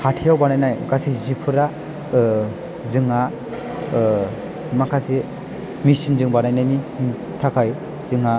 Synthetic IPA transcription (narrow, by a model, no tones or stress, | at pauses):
hʰatʰijawbanajnajkasizipʰɯɾa | zɯŋa | makʰasi | misinzɯŋbanajnajni | tʰakʰaj | zɯŋa